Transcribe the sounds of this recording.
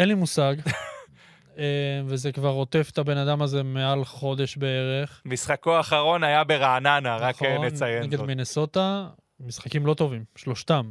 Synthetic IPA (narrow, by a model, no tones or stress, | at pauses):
enlimusaɡ | evezekvaʁo̞t̪e̞fet̪abe̞nad̪amaze̞mealχo̞d̪e̞ʃbee̞ʁe̞χmisχakoaːχaʁo̞najabeʁaːnanaʁaknet͡sajeneɡiddmineso̞t̪a | misχakimlo̞t̪o̞vimʃlo̞ʃt̪am